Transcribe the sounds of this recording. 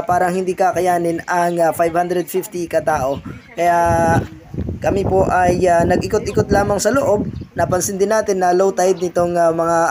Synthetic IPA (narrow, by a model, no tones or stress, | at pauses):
paːɾɐŋhɪnd̪iːkakɐjaːnɪnɐŋfajvhand̪ɾɛd̪̚fift̪ikɐt̪aːʔo̞kɐjaʔ | kɐmɪpo̞ʔɐjanɐɡʔɪkot̪̚ʔɪkot̪laːmɐŋsɐloʔo̞b̚nɐpɐnsɪnd̪ɪnːaːt̪ɪnːɐlowt̪ajd̪̚nɪt̪oŋamɐŋa